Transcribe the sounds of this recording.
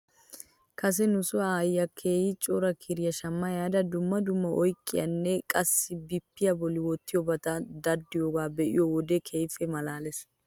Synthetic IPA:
kʰɐs̬ɛnʊsʊajːɐkʰːeːjɪt͡ʃʼɔɾɐkʰɪɾɪjɐʃɐmːɐjaːd̪ɐd̪ʊmːɐd̪ʊmːɐʔɔjkʼːɪjɐnːɛkʼɐsːɪbɪpːɪjɐbɔlɪwɔt̪ːɪjɔbɐt̪ɐd̪ɐd̪ːɪjoːɡaːbɛʔɪ̰jɔwɔd̪ɛkʰejfɛmɐlaːlɛs

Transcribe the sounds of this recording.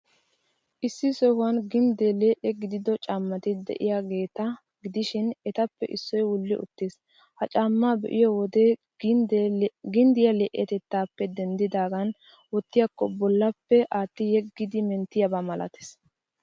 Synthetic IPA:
ʔɪsːɪsɔhʊwɐnɡɪnd̪eleːʔɛɡɪd̪ɪd̪ɔt͡ʃʼaːmːɐt̪ɪd̪ɛ̰ʔɪ̰jaːɡe̞ːt̪ɐ | ɡɪd̪ɪʃɪnɛt̪ɐpːɛ̰ʔɪsːɔjwʊlːɪʔʊ̰t̪ːeːs | hɐt͡ʃʼaːmːaːbɛ̰ʔɪjɔwɔd̪e | ɡɪnd̪ɪjɐleːʔɛt̪ɛt̪ːaːpːɛd̪ɛnd̪ɪd̪aːɡɐn | wɔt̪ːɪjakːɔbɔlːɐpːɛʔaːt̪ːɪjɛɡːɪd̪ɪmɛnt̪ːɪjɐbaːmɐlɐ̰t̪e̥ːs

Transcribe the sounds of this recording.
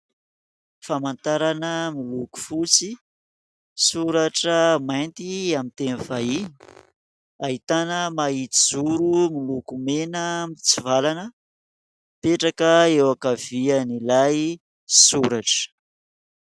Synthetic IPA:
famant̪aɾanəmiluku̥fut͡si | suɾaʈ͡ʂəmajnt̪iamint̪enifaiɲ | aɦit̪anəmait̪id͡zuɾumilukumenəmit͡sivalanə | peʈ͡ʂakəewakav̥ianilaj | suɾaʈ͡ʂə̥

